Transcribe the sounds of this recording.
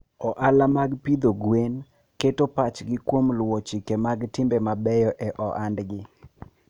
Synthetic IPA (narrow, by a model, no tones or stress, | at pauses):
ɔʔalamaɡpid̪oɡwen | ketopat͡ʃɡɪkwomlwot͡ʃikemaɡtɪmbɛmabɛjɔʔɛʔɔʔandɡɪ